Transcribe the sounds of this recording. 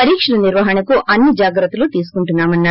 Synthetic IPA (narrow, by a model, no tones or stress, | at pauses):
ɐɾiːkʂɐlɐniɾʋɐɦɐnɐkuʔɐnːid͡ʒaːɡɾɐt̪ːuluːt̪iːsu̥kuɳʈunːaːmɐnːaː